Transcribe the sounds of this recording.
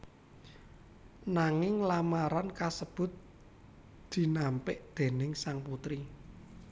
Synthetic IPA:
naŋɪŋlamaɾankasəb̥ʊ̤t̪̚ | d̪̥i̤nampɪʔd̪̥e̤nɪŋsaŋput̪ɾi

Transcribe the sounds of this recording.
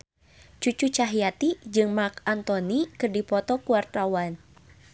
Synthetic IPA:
t͡ʃut͡ʃut͡ʃaɦijat̪id͡ʒɨŋmakant̪ɔnikɨrdipɔt̪ɔkuart̪awan

